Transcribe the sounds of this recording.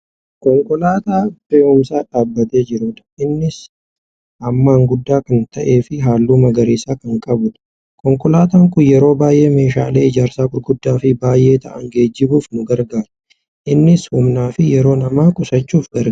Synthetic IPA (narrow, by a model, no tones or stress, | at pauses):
kɔŋkʼɔlaːt̪aːbeːʔʊmsaːᶑaːbːɐt̪e̞ːd͡ʒɪɾʊːᶑ̪ɐ̥ɪnːɪs | ɐmːaːŋɡʊd̪ːaːkɐnt̪ɐʔe̞ːfɪɦaːlːuːmɐɡɐɾiːsaːkɐŋkʼɐbʊt̪ | kɔŋkʼɔlaːt̪aːŋkʊjɛɾo̞ːbaːjʔe̞ːme̞ːʃa̰ːle̞ːɪd͡ʒaːɾsaːkʊɾɡʊd̪ːaːfɪbaːjʔe̞ːt̪ɐ̰ʔɐŋɡe̞ːd͡ʒːɪbuːfnʊɡɐɾɡaːɾʊ | ʔɪnːɪshʊmnaːfɪjɛɾo̞ːnɐmaːkʼʊsɐt͡ʃːuːfɡɐ